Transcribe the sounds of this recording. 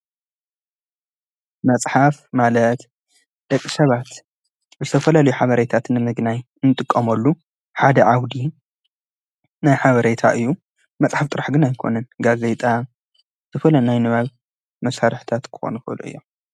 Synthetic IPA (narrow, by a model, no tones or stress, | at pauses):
mɐt͡sʼħafmalɐt̪ | d̪̥ɐkʼːisɐβat̪ | zɨt̪ʰɐfɐlalɐjuħaβɐɾet̪ʰat̪nɨmɨɡnaj | nːɨt̪ʼɨkʼːɐmɐlːu | ħad̪ɐʕawd̪i | najħaβɐɾet̪ʰa̰ʔɨjːu | mɐt͡sʼħaft̪ʼɨɾaħɡɨnajkʰo̞̰nɨnɡaze̞t̪ʼa | t̪ʰɐfɐlɐnajnɨβaβ | mɐsaɾħt̪ʰat̪kʰɨ̥xo̰nfɨ̰lṵʔɨ̰jːo